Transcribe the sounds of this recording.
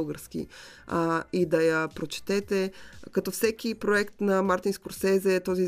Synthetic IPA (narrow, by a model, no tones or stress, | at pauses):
ɡəɾskḭ | id̪ɐjɐpɾot͡ʃɛ̥t̪ɛt̪ɛkɐt̪ɔfsɛk̟ʲipɾoɛkt̪nɐmaɾt̪inskuɾsɛzɛt̪ɔzi